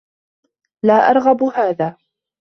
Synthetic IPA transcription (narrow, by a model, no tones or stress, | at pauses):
laːʔɑ̰ɾˤɣabhaːðaː